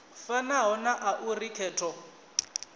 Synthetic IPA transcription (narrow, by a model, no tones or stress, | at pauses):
fanaɦɔnaʔaʔurikʰɛːtʰɔ